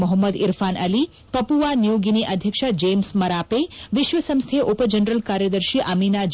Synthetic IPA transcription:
mɔɦəmːəd̪ḭɾfanəli | pəpuʋanijoɡiniʔəd̪ʱjəkʃad͡ʒemsməɾapeʋɪʃʋəsə̃mst̪ʰeʔopəd͡ʒənɾəlkaɾjəd̪əɾʃiʔaminad͡ʒ

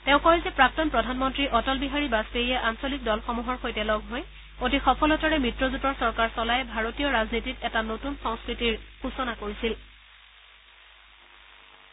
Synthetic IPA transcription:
tɛʊ̃kɔɹizɛpɹak̚tɔnpɹɔdʱanmɔntɹiʔɔtɔlbiɦaɹibaspeɹijɛʔansolik̚dɔlxɔmuɦɔɹxojtɛlɔɡʱɦoj | otixɔpʰɔlɔtɔɹɛmɹitɹɔzutɔɹsɔɹkaɹsɔlajɛbʱaɹotijɔɹaznititɛtanotunsɔ̃ŋskɹitiɹxusɔnakoɹisil

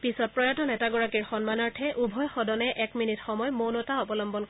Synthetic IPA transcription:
pisɔt̚pɹɔjatɔnɛtaɡɔɹakiɹxɔnmanɔɹtʰɛʔubʱɔjxɔdɔnɛʔɛkminitxɔmɔjmownɔtaɔpɔlɔmbɔnk

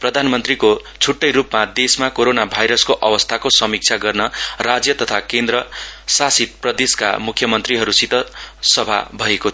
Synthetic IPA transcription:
prʌd̪ʱanmʌnt̪riko | t͡sʰuʈːʌjɾupmad̪esmakoɾonabʱajɾʌskoʔʌwʌst̪ʰakosʌmik̚t͡sʰaɡʌrnʌrad͡zjʌt̪ʌt̪ʰakend̪rʌsasit̪̚prʌd̪eska̰mukʰːjʌmʌnt̪riɦʌɾusit̪ʌsʌbʱa̰bʱʌeko

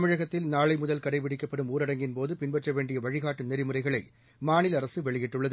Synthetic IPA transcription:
mɪɻɐɣɐt̪ːɪlnaːɭɐɪmʊðɐlkɐɽɐɪʋɪɽɪkːɐpːɐɽɯmuːɾɐɽɐŋɡɪnpoːðɯpɪnbɛʈrɐʋeːɳɖɪjɐʋɐɻɪɣaːʈːɯnɛɾɪmɯrɐɪɣɐɭɐɪ | maːnɪlɐɾɐsɯʋɛɭɪjɪʈːɯɭːɐðɯ

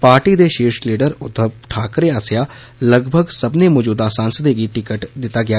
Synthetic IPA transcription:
paːɾʈiːd̪eːʃeːʃliːɖəɾʊd̪əʈʰaːkɾeaːsɪja | ləɡbʱəɡsəbnemɔːd͡ʒuːd̪asãːnsəd̪eɡiʈɪkəʈd̪ɪt̪aɡɪa

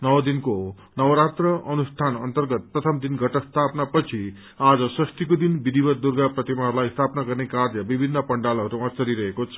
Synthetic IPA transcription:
nʌwʌd̪inko | nʌwɾat̪rʌʔʌnust̪ʰanʌnt̪ʌrɡʌt̪̚prʌt̪ʰʌmd̪inɡʱʌʈʌst̪ʰapnapʌt͡sʰi | ad͡zʌsʌst̪ikod̪inbid̪ʱibʌt̪̚d̪urɡaprʌt̪imaɦlajst̪ʰapnaɡʌrnekarjʌbibʱinːʌpʌɳɖalʌɦʌɾuʌ̃t͡sʌɾiɾʌɦekot͡sʰʌ̥

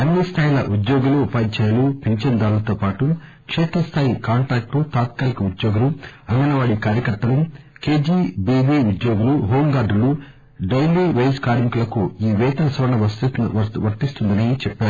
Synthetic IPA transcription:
ɐnːist̪ʰaːjilɐʔud̪joːɡuluːpaːd̪t͡ʃɛːjɐlupeɲt͡ʃɐnd̪aːɾulɐt̪oːpaːʈu | kʂɛːt̪ɾɐst̪ʰaːjikaːɳʈɾaːk̚ʈut̪aːt̪̚kaːlikɐud̪joːɡuluɐŋɡɐnɐʋaːɽikaːɾjɐkɐɾt̪ːɐlɐmke̞ːd͡ʒiːbiːʋiud̪jo̞ːɡuluɦoːmɡaːɾɖulu | ɖɐjliʋejskaːɾmikulɐkuiːʋɛːt̪ɐɾɐsʋɐɾɐɳɐʋɐ | ʋɐɾt̪ːist̪und̪ɐnit͡ʃɛpːaːɾu

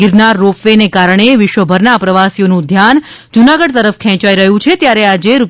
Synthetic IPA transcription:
ɪɾnaɾːofʋenekaɾəɳ̃eʋɪʃʋəbʱəɾnapɾəʋasijonũd̪ʱjan | d͡ʒunaɡəɽt̪əɾəfkʰɛ̃t͡ʃaiɾəɦũt͡ʃʰet̪jaɾead͡ʒeɾu

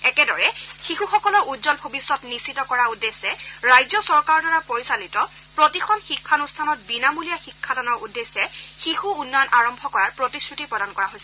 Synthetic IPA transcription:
ɛkɛdɔɹɛxixuxɔkɔlɔɹʔudzɔnbʱobisːɔtnisitɔkɔɹaudesɛɹajzɔsɔɹkaɹɔdaɹapoɹisalitɔ | pɹotixɔnxikʰːanustʰanɔt̚binamulijaxikʰːadanɔɹudːesɛxixuunːɔjɔnʔaɹɔmbʱɔkɔɹaɹpɹotisɹutipɹɔdankɔɹaɦojsɛ

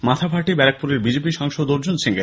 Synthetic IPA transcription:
mat̪ʰabʱaɾʈibɛɾak̚puɾeɾbid͡ʑepiʃɔŋʃod̪oɾd͡ʑunsiŋɡe

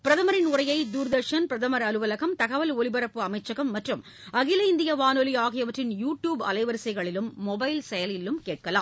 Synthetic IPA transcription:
pɪɾɐðɐmɐɾɪnʊrɐjɐɪd̪uːɾd̪ɐɾʂɐnpɪɾɐðɐmɐɾɐlɯʋɐlɐɣɐmt̪ɐɣɐʋɐlɔɭɪbɐɾɐpːɯɐmɐɪt͡ʃːɐɣɐmːɐʈrɯm | ɐɣɪlɐɪnd̪ɪjɐʋaːnolijaːɣɪjɐʋɐʈrɪnjuːʈjuːbɐ̰lɐɪʋɐɾsɐɪɣɐɭɪlɯmːɔbɐɪlsɛjɐlɪlɯmkeːʈ̚kɐla̰ːm

